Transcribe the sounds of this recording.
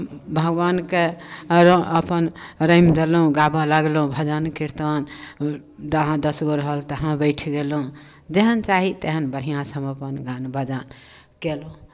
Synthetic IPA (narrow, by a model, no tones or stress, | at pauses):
bʱəɡbankeɾəpənɾəimd̪elɦũɡabalaɡlũbʱəd͡ʒənkiɾt̪ən | d̪ɦãd̪əsɡoɾəɦəlt̪əɦãbəɪʈʰɡelɦũ | d͡ʒeɦənt͡ʃaɦit̪eɦənbəɽ̤ijãsəməpənɡanbʱəd͡ʒan | kelɦũ